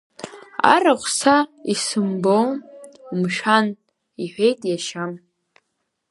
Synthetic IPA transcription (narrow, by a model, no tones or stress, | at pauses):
a̰raχʷʰʼsaisɨmbownmʂan | iħʷᶣejtʼjaʃam